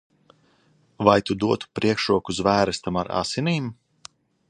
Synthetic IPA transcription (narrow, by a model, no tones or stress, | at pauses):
vajt̪ud̪uɔt̪u̥pɾiɛkʃɾuɔkuzvæːɾɛst̪amaɾa̰siniːm